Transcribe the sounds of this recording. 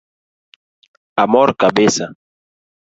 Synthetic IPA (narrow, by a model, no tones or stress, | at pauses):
amɔɾkabesa